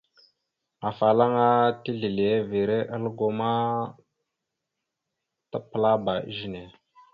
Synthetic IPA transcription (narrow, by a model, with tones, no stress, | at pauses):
a˨fa˨la˦ŋa˦ti˦ɮi˨li˨e˦vi˨ɾe˦ʔa˦lə˦ɡo˨ma˦ | ta˦pə˨la˦ba˨ʔḭ˦ʒi˨ne˨